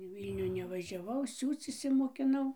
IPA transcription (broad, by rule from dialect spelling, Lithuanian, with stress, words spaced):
ɪ ˈʋʲiːlʲnʲuː nʲɛʋɐʒʲɛˈʋɐʊ ˈsʲuːt͡s ɪʃʲsʲɪmoːkʲɪˈnɐʊ